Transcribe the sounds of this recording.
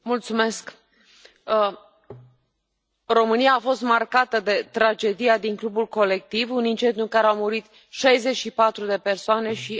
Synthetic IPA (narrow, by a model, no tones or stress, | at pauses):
mult̪sume̞sk | ro̞mɨnijaːfo̞st̪markat̪əd̪e̞t̪ɾad͡ʒe̞d̪ijad̪iŋklubulko̞le̞k̚t̪ivunint͡ʃe̞nd̪juɨŋkaɾeawmuɾit̪ | ʃajze̞t͡ʃʃipat̪ɾud̪e̞pe̞rsoane̞ʃi